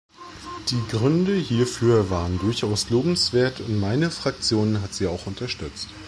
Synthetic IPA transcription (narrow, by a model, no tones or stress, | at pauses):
d̥iːɡʁʏndəhiːɐfyːɐvaːʁəndʊɐçʔaʊsloːbm̩sv̥eːɐtʰʊntmaɪnəfʁ̥ak̚t͡sjoːnənɦatz̥iːaʊxʔʊntɐʃtʏt͡st